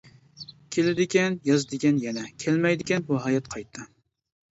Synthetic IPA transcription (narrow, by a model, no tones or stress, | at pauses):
kʲʰelɪd̪ɪkʲɛnjɑzd̪ɪkʲɛnjɛnɛkʲʰɛlmɛjd̪ɪkʲɛnbuɦɑjɑt̪qʰɑjt̪ʰːɨ